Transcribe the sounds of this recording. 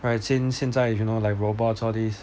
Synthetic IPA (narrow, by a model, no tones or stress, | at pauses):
ɹaɪtsinsjɛ̃nd͡zaɪfjunoʊlaɪkɹobɔtsɔdis